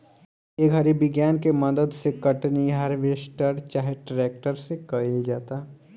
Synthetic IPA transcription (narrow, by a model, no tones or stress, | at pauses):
eːkɦɐɾibɪɡjaːnkemɐd̪əd̪sekɐʈniɦɐɾʋesʈəɾt͡ʃaːɦeʈɾɛːk̚ʈəɾsekɐed͡ʒaːt̪a